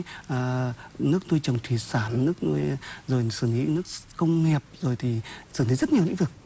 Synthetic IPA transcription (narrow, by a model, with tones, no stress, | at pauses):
ʔəː˨˩nɨ˦˥ək̚nu˧jt͡ɕə˨˩wŋ͡mt̪ʰi˨˩saː˧˩nnɨ˦˥ək̚nṵ˧jzo˨˩jsɨ˧˩ni˨˦nɨ˦˥ək̚kə˧wŋ͡mŋɛ˨˩əp̚zo˨˩jt̪ʰi˨˩sɨ˧˩ni˨˦zə˦˥t̚ɲi˨˩wḭ˧˥ŋvɨ˨˩ək̚